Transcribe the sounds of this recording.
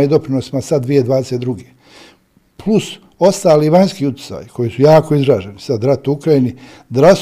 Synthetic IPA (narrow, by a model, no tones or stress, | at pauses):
id̪o̞pɾinosimasad̪d̪ʋijed̪ʋaːd̪e̞set̪d̪ɾuɡe | plus | o̞st̪aːliʋaɲskiːut̪i̥sa̰jikʰo̞jisujaːko̞izɾaːʒenisad̪ɾat̪uukɾajini | d̪ɾas